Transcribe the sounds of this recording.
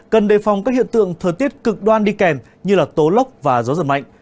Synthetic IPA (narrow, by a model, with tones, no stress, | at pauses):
kə˨˩nɗe˨˩fa˨˩wŋ͡mkaː˦˥k̚hḭ˧˨ənt̪ɨ̰˧˨əŋt̪ʰəː˨˩jt̪i˦˥ət̚kɨ˨˩k̚ɗwaː˧nɗi˧kɛ˨˩m | ɲɨ˧laː˨˩t̪o˨˦lə˦˥wk͡p̚vaː˨˩zɔ˨˦zə˧˩ma̰˧˨jŋ̟